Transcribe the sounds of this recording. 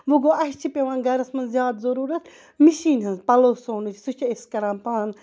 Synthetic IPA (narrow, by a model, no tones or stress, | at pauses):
ʋuɡoːɐʃt͡ʃʰipʲeʋãːnɡɐɾɐsmɐnzjaːd̪zɐɾuːɾɐt̪ | miʃiːnɦɐnzpɐloːsoːnut͡ʃʰsut͡ʃʰɐiskɐɾãːnpaːn